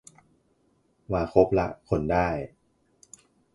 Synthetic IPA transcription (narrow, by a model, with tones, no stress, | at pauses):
waː˧˩kʰo˦˥p̚la˦˥ʔkʰo˧ndaː˥˩j